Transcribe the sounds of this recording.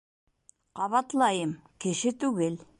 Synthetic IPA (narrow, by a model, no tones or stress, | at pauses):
qɑβɑt̪lˠɑjɤmkɘ̆ʃɘt̪ʉɡɘl